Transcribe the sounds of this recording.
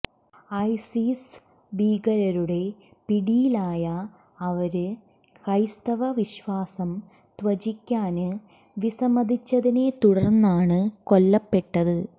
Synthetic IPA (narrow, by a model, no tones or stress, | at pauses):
ɐjsis | ʋiːɡɐɾɐɾuɽe̞ | piɽijilaːjɐː | ʋɐɾɨ | kɐjst̪ɐʋɐʋiɕʋaːsɐm | t̪ʋɐt͡ɕikʲːaːnɨ | ʋisɐmɐd̪ʱit͡ɕːɐðine̞t̪uɽɐrnːaːɳɨko̞lːɐpːe̞ʈːɐðɨ